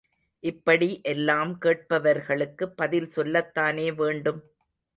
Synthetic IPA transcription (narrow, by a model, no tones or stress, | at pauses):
ʔɪpːɐɽiʔɛlːaːmkeːʈ̚pɐʋɐɾɣɐɭɯkːɯpːɐðɪlsɔlːɐt̪ːaːneːʋeːɳɖɯm